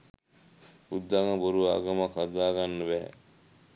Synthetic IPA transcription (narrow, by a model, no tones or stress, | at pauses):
ud̪ːaŋɐboɾuʋa̰ːɡɐmakad̪aːɡanːɐbæɦɛ̰